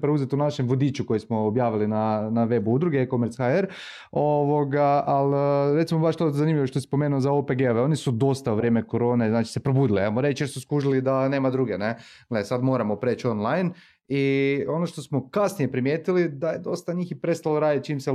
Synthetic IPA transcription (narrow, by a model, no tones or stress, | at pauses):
pɾeuzet̪unaʃemʋod̪iːt͡ʃuko̞jismoːbjaːʋilinanaʋe̞buud̪ɾuɡekomeɾt̪sxaeɾ | o̞ʋoɡaalɾe̞t̪simo̞baʃt̪ozanimʎʲiʋoʃt̪osi̥spo̞meːnuozaopeɡeoʋeo̞nisud̪o̞st̪auʋɾje̞mekoɾo̞ːne̞znaːt͡ʃi̥sepɾo̞buːd̪iliajmoɾe̞t͡ʃjesuskuʒilid̪ane̞ːmad̪ɾuɡene | ɡlesad̪mo̞ːɾamopɾeːt͡ʃo̞nlˠajn | io̞noʃt̪o̞smokasnije̞pɾimjeːt̪ilid̪ajed̪o̞st̪aɲiːxipɾe̞st̪aloɾaːd̪it̪̚t͡ʃiːmse